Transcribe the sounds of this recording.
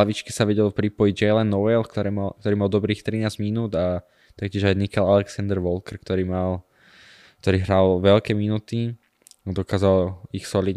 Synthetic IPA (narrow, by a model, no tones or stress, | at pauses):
laʋit͡ʃki̥saʋɛɟɛlpɾipɔjiɟd͡ʒɛlɛnːɔʋɛlkt̪ɔɾɛmakt̪ɔɾiːmald̪ɔbɾiːxt̪ɾinaːzɟminuːd̪a | t̪ak̚cɪɛʒajnikɛlalɛksand̪ɛɾʋɔlkɛɾkt̪ɔɾiːmal | kt̪ɔɾiːɦɾalʋɛlkɛminuːt̪i | ad̪ɔkaːzalixsɔlid̪